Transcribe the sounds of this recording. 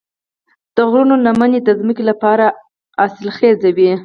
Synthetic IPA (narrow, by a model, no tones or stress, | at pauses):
d̪̥əɣɾunonamaned̪əzməkelapɑɾa | asɪlxezawi